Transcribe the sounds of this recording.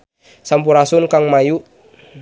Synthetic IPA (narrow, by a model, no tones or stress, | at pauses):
sampuɾasunkaŋmajuʔ